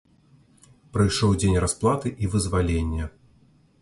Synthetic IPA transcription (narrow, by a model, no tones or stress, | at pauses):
pɾɨjʂɔwd͡zʲenʲrasplˠat̪ɨʔivɨzvalʲenʲːɛ